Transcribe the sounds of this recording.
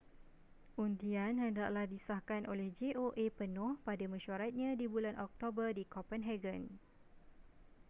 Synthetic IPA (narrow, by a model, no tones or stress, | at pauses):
ʔundianhəndaʔ̚lahdisahkanʔolɛhd͡ʒeʔoʔepənʊ̃hpadamə̃ʃaɾat̪̚ɲãdibulanʔɔk̚t̪obərdikɔpənɦɛɡən